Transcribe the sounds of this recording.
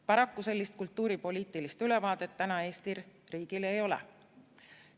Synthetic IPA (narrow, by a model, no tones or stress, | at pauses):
pɑɾɑkːuse̞lːist̪̚kult̪ːˑuːɾipo̞liːt̪ːˑilist̪yle̞vɑːd̪̥e̞t̪ːænɑe̞ːst̪irriːɡ̥ile̞jo̞lɛ̰